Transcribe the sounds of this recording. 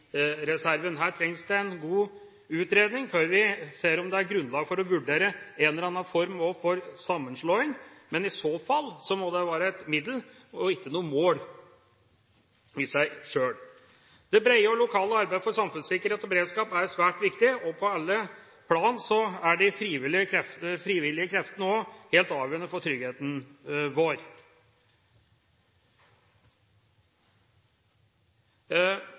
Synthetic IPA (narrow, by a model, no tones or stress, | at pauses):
ɾɛsæɾʋənɦæːʈʰɾɛŋsd̪ɛɛnɡuː | ʉːt̪ɾeːd̪nɪŋføːɾʋɪseːɾɔmd̪ɛæɾɡɾʉnlɑːɡfɔɾɔʋʉɖeːɾəɛnlɑnːɑnfɔɾmɔfɔɾsɑmːənʂɭoːɪŋmɛnɪsoːfɑlːsɔmɔd̪ɛʋɑːɾəæt̪mɪd̪l̩ | ɔɪkːənuːəmoːl | ɪsæɪʂøːɽ | d̪̥ɛbɾeɪəɔlʊkʰɑːləɑɾbæɪəfɔɾsɑmfʉnsɪkəɾheːt̪ɔbɛɾeːd̪skɑːpæɾsʋæːʈʋɪkt̪ɪɔpʰɔɑlːə | pʰlɑːnsɔæɖɪfɾiːʋɪlɪəkʰɾɛffɾiːʋɪlːɪəkʰɾɛft̪ənəɔheːlt̪ɑːʋjøːɾənəfɔʈ̪ʰɾʏɡheːt̪nʋoːɾ